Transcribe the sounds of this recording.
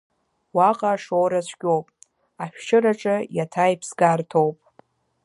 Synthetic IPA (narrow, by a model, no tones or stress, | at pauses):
waqʼaʂowɾasʷʰɡʲʼo̞wpʼ | aʃᶣʃɪɾaʈ͡ʂʼɨjatʰajipʰsɡartʰo̞wpʼ